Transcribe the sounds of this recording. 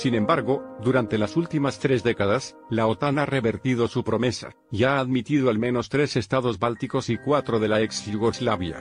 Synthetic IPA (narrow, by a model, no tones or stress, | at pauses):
sinẽ̞mbaɾɣo̞d̪uɾant̪e̞lasult̪imast̪ɾe̞zðe̞kaðas | laot̪anare̞βe̞ɾt̪ið̞o̞supɾo̞me̞sa̰ | iaːðmit̪iðoalmẽ̞no̞st̪ɾe̞se̞st̪aðo̞zbalt̪iko̞sikwat̪ɾo̞ðe̞laeksjuɣo̞zlaβja̰